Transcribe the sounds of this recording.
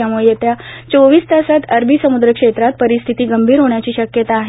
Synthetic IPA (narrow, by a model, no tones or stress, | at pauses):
jamuɭet̪jat͡soʋiːst̪asat̪əɾbʱiːsəmud̪ɾəkʂet̪ɾat̪̚pəɾist̪ʰit̪iːɡəmbʱiːɾɦoɳjat͡ɕiːɕəkjət̪aːɦ